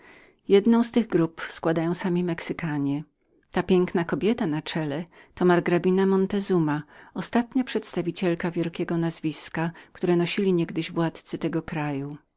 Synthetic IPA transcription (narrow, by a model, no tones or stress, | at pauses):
jɛd̪nɔ̃w̃st̪ɘɣɡɾupskwad̪ajɔ̃w̃samʲimɛksɘkaɲɛ | t̪apʲjɛŋknakɔbʲjɛt̪anat͡ʂɛlɛt̪ɔmaɾɡɾabʲinamɔnt̪ɛzumaɔst̪at̪ɲapʂɛt̪st̪avʲit͡ɕɛlkavʲjɛlkʲɛɡɔnazvʲiskakt̪uɾɛnɔɕilʲiɲɛɡd̪ɘʑvwat̪t̪sɘt̪ɛɡɔkɾaju